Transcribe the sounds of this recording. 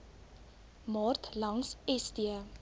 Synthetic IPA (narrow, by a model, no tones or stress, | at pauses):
mɑːrtlɐŋsɛstiə